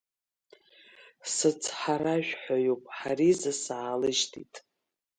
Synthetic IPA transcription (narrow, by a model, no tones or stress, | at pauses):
sɨt͡sʰħaɾaʒᶣʷħajopʼħaɾizɨsaːlɨʒtʰḭtʼ